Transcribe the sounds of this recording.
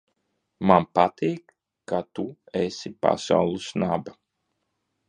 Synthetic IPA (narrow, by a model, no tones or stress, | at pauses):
manpat̪iːkː | at̪u | esipa̰sa̰wlˠusnaba